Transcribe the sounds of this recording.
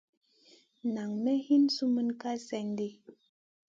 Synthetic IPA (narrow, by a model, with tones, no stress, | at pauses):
na˨ŋmɛ˦hi˦nsu˦mɨ˦nka˦sɛ˨ɲdi˦